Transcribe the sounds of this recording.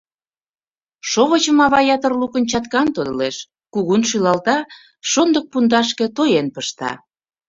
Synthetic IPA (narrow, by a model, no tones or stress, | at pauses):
ʃoβət͡ɕəmɑβɑjɑt̪ərlukənt͡ɕɑt̪kɑnt̪od̪ɤ̰leʃ | kuɣunʃylɑlt̪ɑ | ʃond̪ək̚pund̪ɑʃkĕt̪ojenpəʃt̪ɑ̰